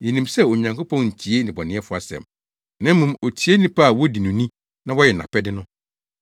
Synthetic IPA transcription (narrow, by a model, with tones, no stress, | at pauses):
je˨nĩ˨msɛ˦o˨ɲã˨ŋkʰʊ˦pʰɔ̃˦nɲ̩˨t͡ɕʰi˨e˦nɪ̃˨bɔ˨nɪ̃˨˦ɛ˦fʊ˦a˨sɛ̰̃˨m | nã˦m˦mũ˨mo˨tʰi˨˦e˦nĩ˦pʰa˦a˨wɔ˦di˨nũ˨nĩ˦ | nã˦wɔ˦jɛ˨nã̰˨pʰɛ˦dɪ˦nʊ̃˦